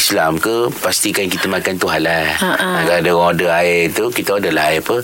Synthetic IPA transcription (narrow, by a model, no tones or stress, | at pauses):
islamkəpast̪ikajaŋkit̪əmãkant̪uɦanlaʔakaadəɔdəaɪrt̪ukit̪əɔdəlaiapə